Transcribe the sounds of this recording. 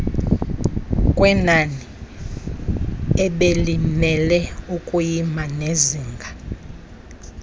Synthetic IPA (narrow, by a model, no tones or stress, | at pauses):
kʼwɛnani | ɛɓelimɛlɛukʼujimaneziːŋɡʱa